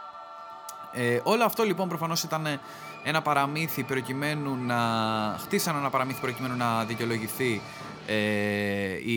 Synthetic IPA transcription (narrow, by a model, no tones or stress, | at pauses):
eʔo̞lo̞ɐft̪o̞lipo̞nmpɾofɐno̞sit̪ɐne | e̞nɐpɐɾɐmiθipɾo̞cime̞nunɐxt̪isɐnenɐpɐɾɐmiθi̥pɾo̞cime̞nunɐðiceolo̞ʝiθi | e | i